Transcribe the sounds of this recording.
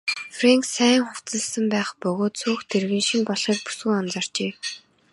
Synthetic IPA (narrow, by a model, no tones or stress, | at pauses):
freŋksæːŋχʊw̥t͡sə̆ɮsə̆mpæːχpɵɣoːt̪sʰuːxt̪ʰerɣɘ̆nʃĭmpɔɮχiːk̚pu̥sɡŭŋɔnt͡sɔr̥t͡ɕeː